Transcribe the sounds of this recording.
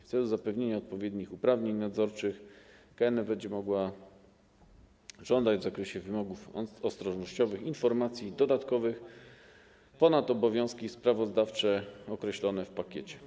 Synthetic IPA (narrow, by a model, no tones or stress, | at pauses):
ft̪sɛluzapɛvɲeɲaɔt̪̚pɔvʲjed̪ɲixupɾavɲeɲnad̪zɔɾt͡ʂɘxkaɛnɛbɛɲd͡ʑɛmɔɡwa | ʐ̥ɔnd̪ad͡ʑvzakɾɛɕɛvɘmɔɡufɔst̪ɾɔʐnɔɕt͡ɕɔvɘxinfɔɾmat̪sʲjid̪ɔd̪at̪kɔvɘx | pɔnat̪ɔbɔvʲjɔ̃w̃skʲispɾavɔzd̪aft͡ʂɛɔkɾɛɕlɔnɛfpakʲet͡ɕɛ̥